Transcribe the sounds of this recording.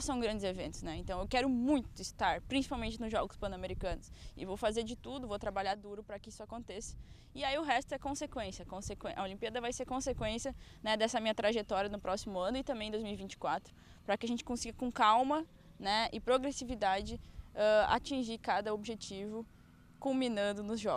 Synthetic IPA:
sɐ̃w̃ɡɾɐ̃nd͡ʒɪzevẽnt̪ʊsnɛẽnt̪ɐ̃w̃ewkɛɾʊmũj̃t̪ʊɪst̪aɾpɾĩsi̥pawmẽnt͡ʃɪnʊzʒɔɡʊspɐ̃nameɾikɐ̃nʊsɪ̰vowfazeɾd͡ʒɪt̪ud̪ʊvowt̪ɾabaʎaɾd̪uɾʊpɾɐkɪisʊakõnt̪esɐ̥ | ɪaiʊɦɛst̪ʊɛkõsekwẽsiɐkõsekwẽʔɐolĩmpiɛd̪ɐvajseɾkõsekwẽsiɐnɛd̪ɛsɐmĩɲɐt̪ɾaʒet̪ɔɾiɐnʊpɾɔsimʊɐ̃nʊɪt̪ɐ̃mbẽj̃d̪ojzmiwivĩnt͡ʃɪ̥kwat̪ɾʊ | pɾɐkɪaʒẽnt͡ʃɪ̥kõsiɡɐkõkawmɐ | nɛɪpɾoɡɾesivid̪ad͡ʒɪɛa̰t͡ʃĩʒikad̪ɐobʒet͡ʃivʊ | kumĩnɐ̃nd̪ʊnʊzʒɔ

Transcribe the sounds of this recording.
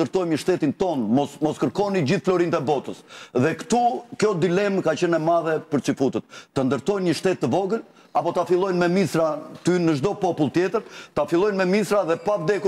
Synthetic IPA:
əɾt̪ɔjmɲəʃt̪ɛt̪int̪ɔnmɔsmɔskəɾkɔnid͡ʑiθflɔɾint̪ɛbɔt̪əsðɛkt̪ukjɔd̪ilɛmkat͡ɕɛnɛmaðɛpəɾt͡sifut̪ət̪̚ːənd̪əɾt̪ɔjnɲəʃt̪ɛt̪ːəvɔɡəl | apɔt̪afilˠɔjnmɛmisɾat̪ynnːəʒd̪ɔpɔpulˠt̪jɛt̪əɾt̪afilˠɔjnmɛmisɾaðɛpavd̪ɛku

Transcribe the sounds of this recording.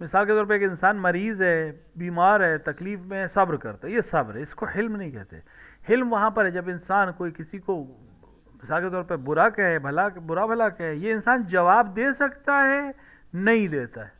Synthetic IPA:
mɪsaːlket̪ɔːɾp̬ɐɾeːkɪnsaːnmɐɾiːzɦɛ | biːmaːɾɦɛt̪ɐkliːfmẽsɐbɾkɐ̰ɾt̪aɦɛjesɐbɾɦɛɪskohɪlmnɐɦĩkɛ̰ɦt̪ḛɛhɪlmʋɐɦãpɐɾɦɛd͡ʒɐbɪnsaːnkoːikɪsiko | mɪsaːlket̪ɔːɾpɐɾbʊɾakaɦɛbʱɐlakbʊɾabʱɐlakaɦɛjeɪnsaːnd͡ʒɐʋaːbd̪eːsɐkt̪aɦɛ | nɐɦĩd̪eːt̪aɦɛː

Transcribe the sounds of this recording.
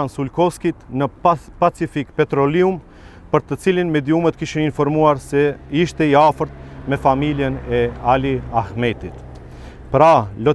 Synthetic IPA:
ansulkɔfskit̪nəpat͡sifikpɛt̪ɾɔlium | pəɾt̪ət͡silinmɛd̪iumɛt̪kiʃininfɔɾmuaɾsɛiʃt̪ɛiafəɾt̪̚mɛfamiljɛnɛaliaxmɛt̪it̪ | pɾalɔ

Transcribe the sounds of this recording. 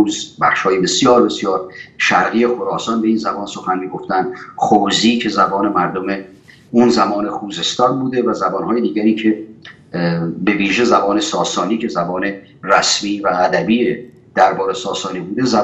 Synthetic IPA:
uːzbæχʃhɒːjebe̞sijɒːɾbe̞sijɒːɾʃæɾɣijexoɾɒːsɒːnbe̞iːnzæbɒːnso̞xænmiːɡo̞ft̪ænd̪xoːziːcʰe̞zæbɒːne̞mæɾd̪ome̞ | unzæmɒːne̞xuːze̞st̪ɒːnbuːd̪e̞væzæbɒːnhɒːjed̪iːɟæɾiːkʰe̞ | be̞viːʒe̞zæbɒːne̞sɒːsɒːniːcʰe̞zæbɒːne̞ | ræsmiːvæːd̪æbiːe | d̪̥æɾbɒːɾesɒːsɒːniːbuːd̪e̞zæ

